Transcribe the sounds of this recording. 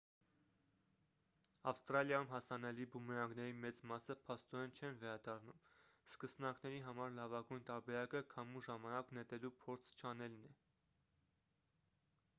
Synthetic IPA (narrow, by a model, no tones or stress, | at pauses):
ɑfst̪ɾɑljɑjumɦɑsɑnɛlibumɛɾɑŋɡnɛɾimɛt͡smɑsəpʰɑst̪ɔɾɛnt͡ʃʰɛnvɛɾɑd̪ɑrnumskəsnɑknɛɾiɦɑmɑɾlɑvɑɡujnt̪ɑɾbɛɾɑkəkʰɑmuʒɑmɑnɑknɛt̪ɛlupʰɔɾt͡sʰt͡ʃʰɑnɛlnɛ